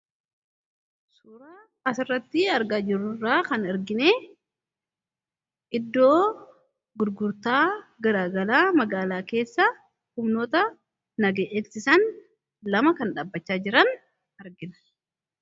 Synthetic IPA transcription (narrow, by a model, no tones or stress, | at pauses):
suːɾaː | ɐsɪrːɐt̪ːɪɐɾɡaːd͡ʒɪrːʊrːaːkɐnɐɾɡɪneː | ʔɪd̪ːo̞ː | ɡʊɾɡʊɾt̪aːɡɐɾaːɡɐlaːmɐɡaːlaːke̞ːsːɐ | hʊmno̞ːt̪ɐ | nɐɡeːʔɛlsɪsɐn | lɐmɐkɐnᶑɐbːɐt͡ʃːaːd͡ʒɪɾɐn | ɐɾɡɪnɐ̥